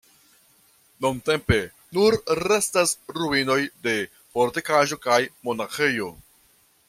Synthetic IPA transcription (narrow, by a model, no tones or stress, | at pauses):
nunte̞mpe̞ | nuɾːe̞stasɾuino̞jde̞ | fo̞ɾtekaʒo̞kajmo̞naxejo̞